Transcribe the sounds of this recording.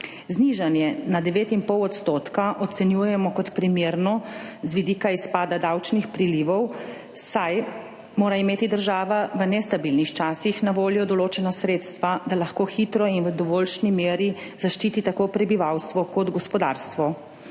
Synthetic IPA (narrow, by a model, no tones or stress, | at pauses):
zniʒanjɛnad̪ɛʋeːt̪impɔwɔt̪st̪oːt̪kaʔɔt̪sɛnjuːjɛmɔkɔt̪pɾimjeːɾnɔzʋid̪iːkaispaːd̪ad̪awt͡ʃnixpɾiliʋɔw | saj | moːɾaimeːt̪id̪əɾʒaːʋaʋənɛst̪abilnixt͡ʃaːsixnaʋoːljɔd̪ɔloːt͡ʃɛnasɾeːt̪st̪ʋad̪alaxkoːxit̪ɾɔinʋəd̪ɔʋoːlʃnimeːɾizaʃt͡ʃiːt̪it̪akoːpɾɛbiʋawst̪ʋɔkɔd̪ɡɔspɔd̪a̰ɾst̪ʋɔ